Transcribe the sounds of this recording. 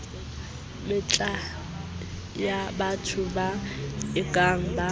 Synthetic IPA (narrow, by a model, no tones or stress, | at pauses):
mɪt͡ɬʼa | jabatʰʊbaɪkʼaŋ̩ba